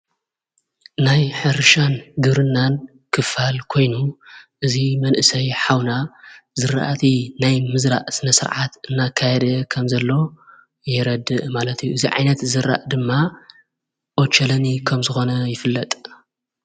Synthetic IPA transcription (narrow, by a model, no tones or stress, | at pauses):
najħɨɾʃanɡɨβɾɨnːan | kʰɨfalkʰo̞jnuʔɨzimɐnʔɨsɐjħawnazɨɾa̰ʔat̪ʰinajmɨzɾa̰ʔsɨnɐsɨɾʕat̪ʔɨnːakʰːajɛd̪ɐkʰɐmzɐlːo̞ | jɛɾɐd̪ɨʔmalɐt̪ʰijːuʔɨziʕa̰jnɐt̪zɨɾa̰ʔd̪ɨmːa | ʔot͡ʃːɐlɐnikʰɐmzɨxo̞nɐjɪfɨlːɐt̪ʼ